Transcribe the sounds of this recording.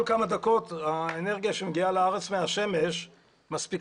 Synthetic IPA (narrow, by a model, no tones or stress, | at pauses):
lkamad̪ako̞t̪aene̞ʁɡijaʃemɡialeaʁet͡smeaʃe̞me̞ʃ | maspik